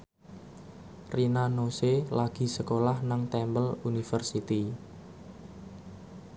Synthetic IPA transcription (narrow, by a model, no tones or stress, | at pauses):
rinanoselaɡ̥i̤səkolahnaŋt̪ɛmbəlunifərsit̪i